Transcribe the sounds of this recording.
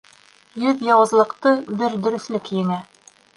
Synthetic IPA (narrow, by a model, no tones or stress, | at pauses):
jɵðjɒwɤ̆zlˠɤ̆qt̪ɤb̪ɘɾd̪ɵ̆ɾɵ̆θlɘkjɘ̆ŋæ